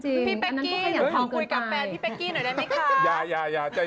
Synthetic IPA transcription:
t͡ɕi˧ŋʰiː˧ŋpa˧a˧nːa˦˥kɔ˥˧kʰːjaː˨˩˦k̪ʰa˧kɯːu˧˩jka˧ɛː˧pʰiː˥˩pɛ˧˥kiː˧˩naː˨˩˦da˥˩˦a˥˩kʰaa˦˥jaː˧˩jaː˧˩jaː˧˩t͡ɕa˨˩

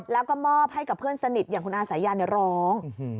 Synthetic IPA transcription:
lɛː˦˥wkɔː˥˩mɔː˥˩p̚ha˥˩jka˨˩pʰɯ˥˩ənsa˧ni˨˩jaː˨˩ŋkʰu˧nʔaː˧sa˩˦jaː˧na˧˩ɾɔː˦˥ŋ

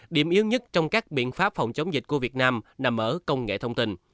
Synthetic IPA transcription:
ɗḭ˧˩əmʔi˧əwɲə˦˥t̚t͡ɕɔ˧wŋ͡mkaː˦˥k̚ɓḭ˧˨ənfaː˦˥p̚fa̰˧˩wŋ͡mt͡ɕə˨˦wŋ͡mzi˨˩ku˧˩vi˨˩ət̚naː˧mna˨˩mʔəː˧˦kə˧wŋ͡mŋḛ˧˨t̪ʰə˧wŋ͡mt̪i˧n

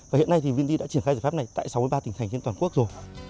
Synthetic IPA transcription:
vaː˨˩hḭ˧˨ənːa˧jt̪ʰi˨˩vi˧nzi˧ɗa̰ː˧˥t͡ɕi˧˩ənxaː˧zaː˨˩fa˦˥p̚n˨˩jt̪a̰ː˧˨jsa˨˦wmɨ˧əjɓaː˧ï˨˩ŋt̪ʰjŋt͡ɕe˧t̪waː˨˩ku˦˥ək̚zo˨˩j

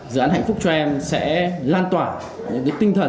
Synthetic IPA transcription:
zɨ̰˨˧˨ʔaː˨˦nha̰˧˨jŋ̟fʊ˦˥k͡p̚t͡ɕɔ˧ʔɛ˧msɛ̰˧˥laː˧nt̪waː˧˩ | ɲɨ̰˧˥ŋkəː˨˦jt̪ï˧ŋt̪ʰə˨˩

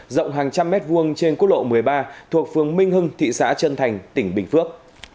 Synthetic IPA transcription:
zə̰˧˨wŋ͡mɦaː˨˩ŋt͡ɕa˧mːɛ˦˥t̚vu˧əŋt͡ɕe˧nku˦˥t̚lo̰˧˨mɨ˨˩əjɓaː˧t̪ʰu˨˩ək̚fɨ˨˩əŋmï˧ŋ̟ɦɨ˧ŋt̪ʰḭ˧˨sa̰ː˧˥t͡ɕə˧nt̪ʰa˨˩jŋ̟t̪ï˧˩ŋ̟ɓï˨˩ŋ̟fɨ˦˥ək̚

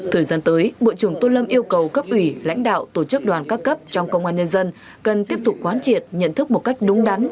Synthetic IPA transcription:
t̪ʰəː˨˩jzaː˧nt̪əː˨˦jɓo̰˧˨t͡ɕɨ˧˩əŋt̪o˧nlə˧mʔi˧əwkə˨˩wkə˦˥p̚ʔwi˧˩la̰˧˥jŋ̟ɗa̰ː˧˨wt̪o˧˩t͡ɕɨ˦˥k̚ɗwaː˨˩nkaː˦˥kːə˦˥p̚t͡ɕɔ˧wŋ͡mkə˧ŋ͡mʔaː˧nɲə˧nzə˧n | kə˨˩nt̪i˦˥əp̚t̪ʊ˨˩k͡p̚kwaː˨˦nt͡ɕi˨˩ət̚ɲə̰˧˨nt̪ʰɨ˦˥k̚mo˨˩t̚ka˦˥jk̟̚ɗʊ˨˦ŋ͡mɗa˨˦n

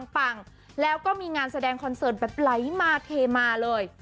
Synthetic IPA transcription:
ŋpa˨˩ŋ | lɛː˦˥wkɔː˥˩miː˧ŋaː˧nsa˧dɛː˧ŋkʰɔ˧nsɤː˨˩t̪̚bɛː˨˩p̚la˨˦jmaː˧t̪ʰeː˧maː˧lɤː˧j

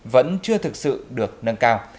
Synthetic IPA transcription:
və̰˧˥nt͡ɕɨ˧ət̪ʰɨ˨˩k̚sɨ̰˧˨ɗɨ˨˩ək̚nə˧nkaː˧w

